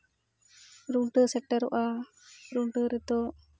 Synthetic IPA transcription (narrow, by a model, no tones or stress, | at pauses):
ɾuɳʈəsɛʈːəɾɔ̰ʔa | ɾuɳʈəɾɛt̪ɔ